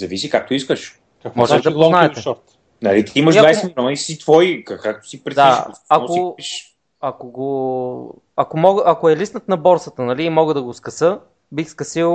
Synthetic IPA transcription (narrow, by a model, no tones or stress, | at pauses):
zɐvisikak̚t̪oiskəʃ | akmɔʒɛlid̪ɐpnaɛt̪ɛʃɔɾt̪ | nɐlit̪iiməʃʒdvajsɛmilʲɔnisit̪vɔikakak̚t̪o̥sipɾɛd̪aik̪aoʃ | ɐkoɡo | ɐkomɔɡəʔɐkoɛlisnət̪nɐbɔɾsət̪ənɐliːmɔɡəd̪ɐɡoskɐsɤ | bixskɐsilˠ